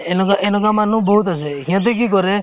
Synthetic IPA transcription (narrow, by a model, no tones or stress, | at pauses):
enɔkaʔenɔkamanũbʱout̪aseɦĩãt̪̬ek̬ikɔɾe